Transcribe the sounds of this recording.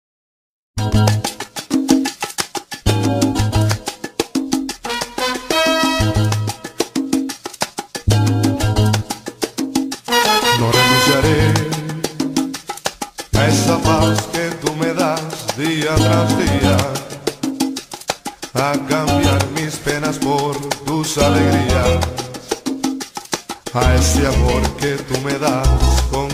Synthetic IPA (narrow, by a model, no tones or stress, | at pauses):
nõreɣusaɾe | aesapawsket̪umeðazðiat̪ɾazðia | akambjaɾmispenaspoɾt̪usaleɣɾia | aeseamoɾket̪umeðaskoŋ